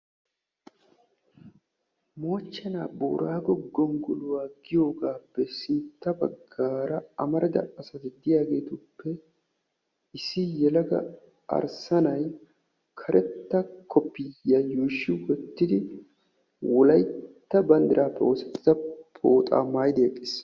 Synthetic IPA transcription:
mo̞ːt͡ʃːɐnaːbo̰ːɾaːɡɔɡɔŋɡʊlʊwaːɡɪjo̞ːɡaːpːɛsɪnt̪ːɐbɐɡːaːɾɐɐmɐɾɐd̪ɐ̰ɐsɐt̪ɪd̪ɪjaːɡe̞ːt̪ʊpːɛ | ɪsːɪjɛlɐɡɐ̰ | ɐ̰ɾsɐnɐj | kʰɐɾʔɛt̪ːɐkʰɔpːɪjːajuːʃːɪɡɔt̪ːɪd̪ɪ | wɔlɐjt̪ːɐbɐnd̪ɪɾʔaːpːɛʔo̞ːsɛt̪ːɪzɐpʰʼoːt̪ʼa̰ːmaːjd̪ɪjɛkʼːɪs

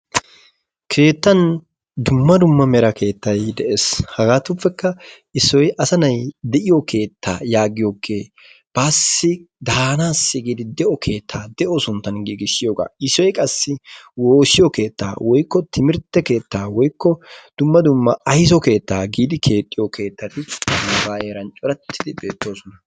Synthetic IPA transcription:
kʰe̞ːt̪ːɐn | d̪ʊmːɐd̪ʊmːɐmɛɾɐkʰe̞ːt̪ːɐjd̪ɛʔeshɐɡaːt̪ʊpːɛkːɐ | ɪsːɔjʔɐsɐnɐjd̪ɛʔɪjɔkʰe̞ːt̪ʰːa̰ːjaːɡɪjoːkːe̞ː | b̥aːsːɪ | d̪aːnaːsːɪɡiːd̪ɪd̪ɛʔɔkʰe̞ːt̪ʰːaːd̪ɛʔɔsʊnt̪ːɐnɡiːɡɪʃːɪjoːɡa̰ːɪsːɔjkʼɐsːɪwo̞ːsɪjɔke̞ːt̪ːa̰ːwʔɔjkːɔt̪ʰɪmɪɾt̪ːɛke̞ːt̪ːaːwɔjkːɔd̪̥ʊmːɐd̪ʊmːɐɐjs̬ɔke̞ːt̪ːaːɡiːd̪ɪkʰe̞ːt̪ʼːɪjɔkʰe̞ːt̪ːɐt̪ɪɐbaːeːɾɐnt͡ʃʼɔɾɐt̪ʰːɪd̪ɪbe̞ːt̪ːo̞ːsɔnɐ

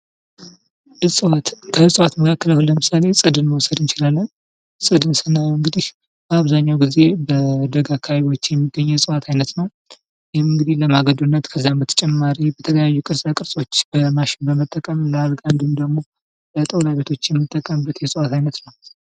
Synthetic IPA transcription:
ɨsʼɨwat̪kʰəɨsʼwat̪məkʰakːələwləmɨsale̞sʼɨd̪ɨnməwɔsəd̪ɨnt͡ʃɪlalːən | sʼɨd̪ɨnsənːajɨŋɡɨd̪ih | bəaβzaɲːawɡize̞bəd̪əɡakʰaβo̞t͡ʃːjɛmːiɡːəɲːɛsʼɨwat̪ʰajnət̪nəw | jɛhɪmɨŋɡɨd̪ihləmaɡəd̪unːət̪kʰəzːambət̪ʰə̥t͡ʃʼɛmːaɾibət̪ʰələjajːukʼɨɾsʼakʼɨɾsʼo̞t͡ʃːb̥əmaʃɪnbəmət̪ʼːəkʼəmləalɡand̪umd̪əɡmo̞ | bət̪ʼəwlaβe̞t̪ʰo̞t͡ʃːjɛmːɨt̪ʼːəkʼəmbət̪jɛsʼwat̪ajnət̪nəw

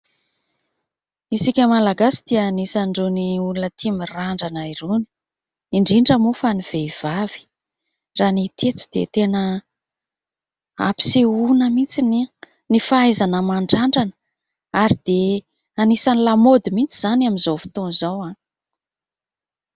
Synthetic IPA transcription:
isikʲəmalaɡasi̥d̪̥iːnisaɳɖ͡ʐoniulunət̪ʰimiraɳɖ͡ʐanaironi̥ | iɳɖ͡ʐiɳɖ͡ʐəmufaniv̥eiv̥av̥i̥ | ranit̪ʰet̪u̥d̪̥ḛt̪enə | a̰pi̥seunəmit͡sini | nifaajzanəmaɳɖ͡ʐaɳɖ͡ʐanə̥ | aɾid̪̥e | anisanilamod̪imint͡siz̥anamizowfi̥t̪onzowa

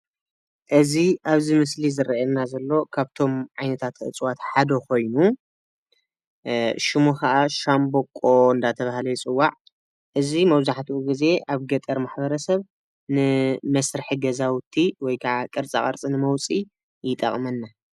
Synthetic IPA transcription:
ʔɨziʔaβzimɨslizɨɾɐʔɛnːazɐlːo̞kʰaβt̪ʰo̞mʕajnɐt̪ʰat̪ʔɨ̰t͡sʼwat̪ħad̪ɐkʰo̞jnu | ʃɪmukɐʔaʃambokʼːo̞ɨnd̪at̪ʰɐβahlɐjt͡sʼɨwːaʕ | ʔɨzimɐβzaħt̪ʰuʔuɡize̞ʔaβɡɐt̪ʼɐɾmaħbɐɾɐsɐβ | nɨmɐsɾɨħiɡɐzawt̪ʰiwɔjkʰaʕakʼɨɾt͡sʼaχʼɐ̰ɾt͡sʼinɨmɐwt͡sʼi | jɪt̪ʼɐ̰χʼmɐnːa

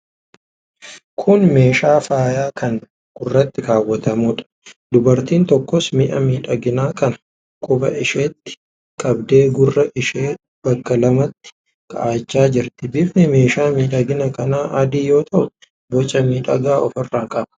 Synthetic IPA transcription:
kʰʊnme̞ːʃaːfaːjaːkʰɐŋ | ɡ̥ʊrːɐt̪ːɪkaːwːɐt̪ɐmuːᶑɐ̥ | d̪ʊbɐɾt̪iːnt̪ɔkːɔsmɪʔɐmiːᶑɐɡɪnaːkɐnɐ̥ | kʼʊbɐ̰ʔɪʃeːt̪ːɪ̥ | kʼɐbd̪e̞ːɡʊrːɐʔɪʃeː | b̥ɐkːɐlɐmɐt̪ːɪ̥ | kʼɐ̰ʔaːt͡ʃːaːd͡ʒɪɾt̪ɪ̥bɪbnɪme̞ːʃaːmiːᶑɐɡɪnɐkɐnaːʔɐd̪iːjo̞ːt̪ʰɐʔʊ | bɔt͡ʃʼːɐmiːᶑɐ̰ɡaːɔfɪrːaːŋkʼɐbɐ̥

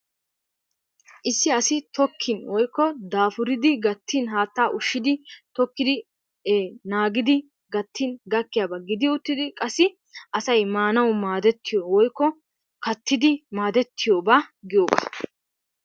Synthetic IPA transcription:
ʔɪsːɪɐsɪt̪ɔkʰːɪnwɔjkːɔd̪aːfʊɾɪd̪ɪɡɐt̪ːinɦaːt̪ːaːʔʊʃːɪd̪ɪt̪ɔkːɪd̪ɪ | naːɡɪd̪ɪ | ɡɐt̪ʰːɪnɡɐkːɪjaːbɐɡɪd̪ɪʊt̪ːɪd̪ɪkʼɐsːɪ | ʔɐsɐjmaːnɐwʊmaːd̪ɛt̪ʰːɪjowɔjkːɔ | kɐt̪ːɪd̪ɪmaːd̪ɛt̪ːɪjoːbaːɡɪjoːba̰ː

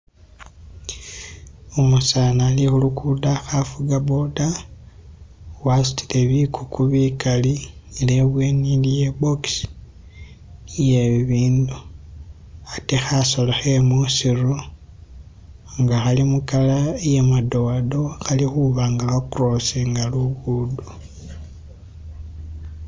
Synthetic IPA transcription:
omusanaːlixulukʰudaxafuɡabo̞da | wasu̥ti̥leβikʰukuβikaliileβweːnilijeboks | jeβiβiːndu | atexasolaxemusiɾu | ŋɡaxalimukalaejemado̞do̞xalixuβaːŋɡaxakuroseŋɡaluɡudu

